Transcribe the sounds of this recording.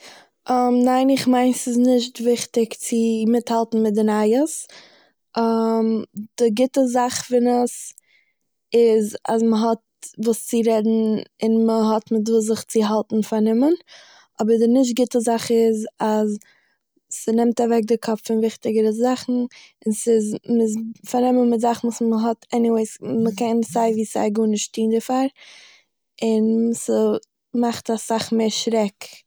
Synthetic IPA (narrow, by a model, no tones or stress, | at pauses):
əmnaɪnɪχmaɪnsɪsnɪʃtvɪχtɪkt͡sɪmɪthalˠtn̩mɪt̚dɪnaɪəs | md̥ɪɡɪtəzaχfɪnəs | ɪza̰sməɦɔt̚ | vuːst͡sɪɾɛdn̩ɪnməɦɔtmɪt̬vuːs̬zɪχt͡sɪɦalˠtn̩faɾnɪmən | ɔbəɾdɪnɪʃ̬t̚ɡɪtəzaχɪzaz | sənɪmtavɛk̚dɪkʰɔpffɪnvɪχtɪɡəɾəzaχn̩ | ɪnsɪzmɪzfaɾnɪmənmɪtzaχn̩vuːsməɦɔtʰɛniweɪsməkɛnzaɪviːsa̰ɪɡuːnɪʃtiːndəfaɾ | ɪnsə | maχtasaχmeɪɾʃɾɛk